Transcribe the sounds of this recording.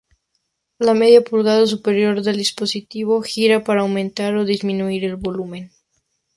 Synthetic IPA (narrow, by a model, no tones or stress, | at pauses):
lameðjapulɣaðas̬upe̞ɾjo̞ɾðe̞ld̪ispo̞sit̪iβo̞xiɾapaɾaːwmẽnt̪aɾo̞ðizmĩnuiɾe̞lβo̞lumẽ̞n